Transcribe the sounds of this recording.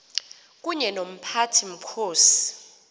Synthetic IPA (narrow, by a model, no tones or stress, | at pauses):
k̬ʼuɲɛnom̩pʰatʰim̩kʰoːsi̥